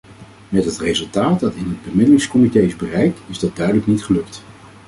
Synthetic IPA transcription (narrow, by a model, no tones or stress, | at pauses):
mɛtɦətrezɵlˠtaːtdɑtɪnɦəd̚bəmɪdəlɪŋskɔmitejɪzbərɛjk̚tɪzdɑt̚dœɥdələknitχəlɵkt